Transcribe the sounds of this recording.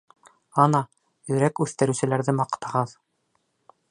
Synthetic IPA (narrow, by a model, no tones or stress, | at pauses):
ɑnɑ | jɵ̆ɾækʉθt̪ɘ̆ɾɘ̆sɘ̆læɾðɘmɑqt̪ɑʁɑð